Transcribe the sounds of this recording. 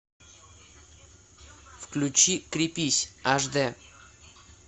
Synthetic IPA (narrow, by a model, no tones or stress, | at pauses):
fklʲʉt͡ɕikɾʲɪpʲisʲaʐd̪ɛ